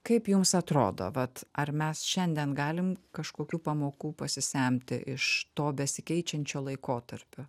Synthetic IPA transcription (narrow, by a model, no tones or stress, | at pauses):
kɐɪpjʊmsɐt̪ɾo̰ːd̪o̰ːʋɐt̪ɐrmʲɛsʃʲɛnʲd̪ʲɛnɡɑːlʲɪmkɐʃkoːkʲuːpɐmoːkuːpɐsʲɪsʲɛˑmʲt̪ʲɪ̰ʔɪ̰ʃt̪oːbʲɛsʲɪkʲɛɪt͡ʃʲɛnʲt͡ʃʲoːlˠɐɪkoːt̪ɐɾʲpʲʊ